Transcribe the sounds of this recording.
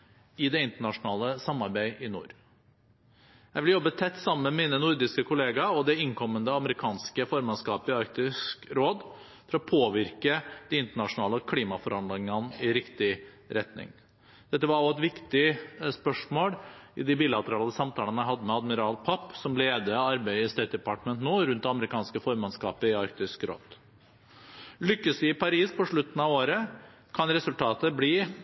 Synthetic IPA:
ɪd̪ɛɪnt̪əɳɑʂʊnɑːləsɑmːɑɾbæɪʔɪnṵːɾ | jæɪʋɪljɔbːət̪ʰɛt̪ːsɑmːəmɛmiːnənʊɾd̪ɪskəkʰʊleːɡɑɔd̪ɛɪŋkʰɔmːənd̪əɑməɾɪkʰɑːnskəfɔɾmɑnskɑːpɪɑɾk̚t̪ɪskɾoːd̪ | fɔɾɔpʰoːʋɪɾkəd̪̥ɪɪnt̪əɳɑʂʊnɑːləkʰliːmɑfɔɾɑnd̪ɪŋənɪɾɪkt̪ɪ | ɾɛt̪nɪ̰ŋ | d̪̥ɛt̪ːəʋɑɾɔɛt̪ʋɪkt̪ɪspœʂmoːlɪd̪ɪbiːlɑt̪əɾɑːləsɑmt̪ʰɑːlənæɪɦɑd̪ːəmɛɑd̪mɪɾɑːlpʰɑpːsɔmleːd̪əɑɾbæɪəst̪eːt̪̚d̪ɛpɑʈmənt̪noːɾʉnt̪̚d̪ɛɑməɾɪkɑːnskəfɔɾmɑnskɑ̰ːpəɪɑɾkt̪ɪskɾo̰ːd̪̥ | lʏkːəsɪɪpʰɑɾiːspɔʂɭʉt̪ːn̩ɑʋoːɾə | kʰɑnɾɛsʉlt̪ʰɑːt̪əbliː

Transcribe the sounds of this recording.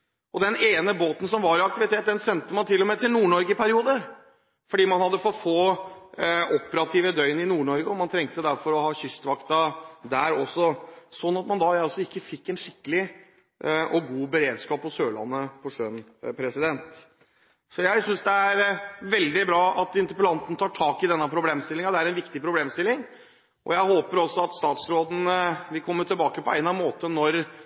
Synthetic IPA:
ɔd̪ɛneːnəboːt̪n̩sɔmʋɑɾɪɑk̚t̪ɪʋɪt̪ʰeːt̪̚d̪ɛnsɛnt̪əmɑnt̪ʰɪlːɔmɛt̪ɪlnuːɳɔɾɡəpʰæɾɪuːd̪ə | fɔɖiːmɑnhɑd̪ːəfɔt̪foː | ɔpːəɾɑt̪ʰiːʋəd̪œʏnɪnuːɳɔɾɡəɔmɑnt̪ʰɾɛŋk̚t̪əd̪æɾfɔɾɔhɑːçʏst̪ʋɑkt̪ɑd̪æɾɔsːɔsɔnːɑt̪mɑnd̪ɑjæɪɔsːɔɪkːəfɪkːɛnʂɪkːəlɪ | ʔʔɔɡuːbəɾeːd̪skɑːpɔsøːɭɑ̰nːəpʰɔʂœnpʰɾɛsɪd̪ɛnt̪ | sɔjæɪsʏnsd̪ɛæɾʋɛld̪ɪbɾɑːɑt̪ɪnt̪əpəlɑnt̪n̩t̪ʰɑːʈʰɑːkɪd̪ɛnːɑpʰɾʊbleːmst̪ɪlːɪŋɑd̪ɛæɾɛnʋɪkt̪ɪpʰɾʊbleːmst̪ɪlːɪŋ | ʔɔ̰jæɪhoːpəɾɔsːɔɑt̪st̪ɑːt̪sɾoːd̪n̩ʋɪlkʰɔmːət̪ʰɪlbɑːkəpʰɔæɪnɑmoːt̪ənɔɾ

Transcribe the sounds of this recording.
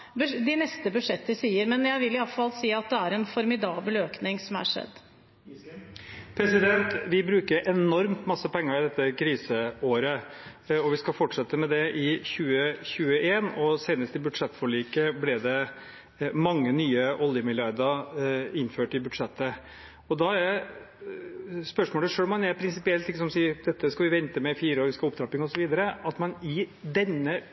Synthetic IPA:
bd̪ɪnɛst̪əbʉd̪ʂɛt̪ːəsiːəɾmɛnjæɪʋɪlɪɑlt̪fɑlsiːɑt̪̚d̪ɛæɾɛnfɔɾmɪd̪ɑːbəløːknɪŋsɔmæ̰ʂɛ̰d̪ː | pʰɾɛsɪd̪ɛnt̪ʋɪbɾʉːkəɾʔɛnɔɾmt̪mɑsːəpɛŋːəɾɪd̪ɛt̪ːəkʰɾiːsəoːɾəɔʋɪskɑfɔʈʂɛt̪ːəmɛd̪ɛʔɪçʉːəçʉːəʔeːnɔseːnəst̪ɪbʉd̪ʂɛt̪ːfɔɭiːkəblɛd̪ɛ | mɑŋːənyːəʔɔljəmɪljɑɾd̪əɾɪnːføːʈɪbʉd̪ʂɛt̪ːə | ɔd̪ɑæ | spœʂmoːləʂøːlmɑnɛpʰɾɪnsɪpɪɛlt̪ɪkːəsɔmsiːd̪ɛt̪ːəskɑʋɪʋɛnt̪əmɛfiːɾəɔʋɪskɑlɔpd̪ɾɑːpɪŋɔsɔʋiːd̪əɾəɑt̪mɑnɪd̪ɛnːə

